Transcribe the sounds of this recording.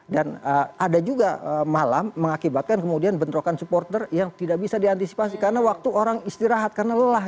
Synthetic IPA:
danəadad͡ʒuɡaəmala̰mːəŋakibat̪̚kankəmudianbənt̪ɾokansupɔrt̪ərjaŋt̪idak̚bisadiant̪isi̥pasikarənawak̚t̪uoɾaŋist̪iɾaɦat̪̚karənaləlah

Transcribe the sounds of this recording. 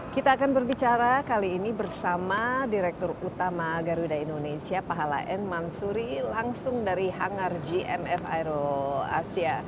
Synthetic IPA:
kit̪aːkanbərbit͡ʃaɾakaliːnibərsamadiɾɛk̚t̪ɔrut̪amaɡaɾudaindonesiapaɦala̰ʔɛnmansuɾilaŋsʊŋdaɾiɦaŋard͡ʒiʔɛmɛfa̰jɾoa̰sia

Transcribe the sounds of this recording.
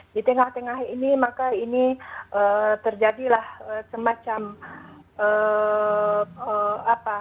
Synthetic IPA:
dit̪əŋaht̪əŋaɦinimakainiʔət̪ərd͡ʒadilahəsəmat͡ʃam | ə | əapa

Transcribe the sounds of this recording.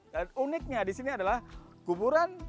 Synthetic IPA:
danunɪk̚ɲadisiniadalahkubuɾan

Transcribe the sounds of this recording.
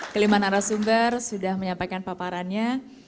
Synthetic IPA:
kəlimanaɾasumbərsudahməɲampakanpapaɾanɲa

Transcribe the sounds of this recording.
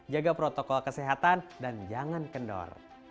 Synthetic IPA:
d͡ʒaɡapɾot̪ɔkɔlkəsɛɦat̪andand͡ʒaŋankəndɔ̰r

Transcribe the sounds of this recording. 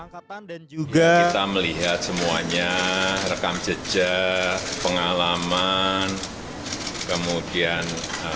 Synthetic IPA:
and͡ʒuɡait̪aməliɦat̪̚səmuaɲarəkamt͡ʃəd͡ʒapəŋalaman | kəmudianə

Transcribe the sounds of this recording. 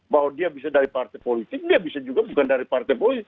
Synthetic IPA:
baɦwadiabisadaɾipart̪ajpolit̪ɪk̚diabisad͡ʒuɡabukandaɾipart̪ajpolit̪ɪk

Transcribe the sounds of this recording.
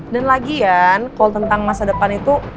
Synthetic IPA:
danlaɡijankalt̪ənt̪aŋmasadəpanit̪u

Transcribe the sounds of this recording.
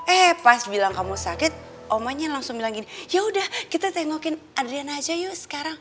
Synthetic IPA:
ɛhpasbilaŋkamusakɪt̪̚ | ʔomaɲalaŋsʊŋbilaŋɡinijaudahkit̪at̪eŋɔkɪnʔadɾianad͡ʒajosə̥kaɾaŋ

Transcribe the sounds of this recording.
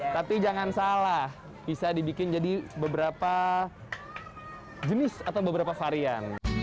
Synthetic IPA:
t̪apid͡ʒaŋansalah | b̥isadibikɪnd͡ʒadibəbəɾapa | d͡ʒənɪsat̪awbəbəɾapafaɾian

